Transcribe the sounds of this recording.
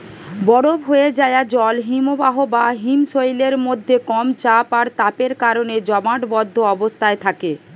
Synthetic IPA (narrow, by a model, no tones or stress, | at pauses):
bɔɽobɦoed͡ʑaead͡ʑɔlɦimobaɦobaɦimʃojleɾmod̪ʱːekɔmt͡ɕapaɾt̪apeɾkaɾoned͡ʑɔmaʈbɔd̪ʱːoɔbost̪ʰaet̪ʰake